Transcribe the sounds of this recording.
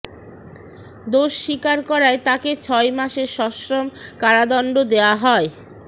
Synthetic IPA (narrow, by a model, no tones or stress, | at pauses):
d̪oʃːikaɾkɔɾaet̪aket͡ɕʰɔemaʃeɾʃɔʃɾomkaɾad̪ɔɳɖod̪eoaɦɔe